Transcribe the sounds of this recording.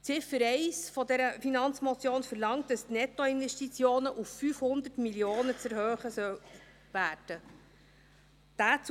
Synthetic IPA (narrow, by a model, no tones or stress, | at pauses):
t͡sɪfəɾɛɪsfɔdɛɾəfinɑnt͡smɔt͡sjoːnfəɾlɑŋt̚d̥ɑstnɛt̪ːɔɪnʋɛʃtit͡sjoːnəʔufːyfhʊnd̪ətmiljoːnət͡sɛɾhøːχəsœw | væːrd̥ə | d̥æːt͡s